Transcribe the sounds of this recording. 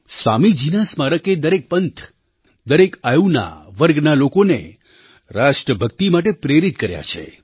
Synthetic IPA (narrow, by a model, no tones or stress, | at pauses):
sʋamid͡ʒinasmaɾəked̪əɾek̚pənt̪ʰ | d̪əɾekajuna̰ʋəɾɡnalokonḛ | ɾaʃʈɾəbʱəkt̪imaʈ̬epɾeɾit̪kəɾja̰t͡ʃʰḛ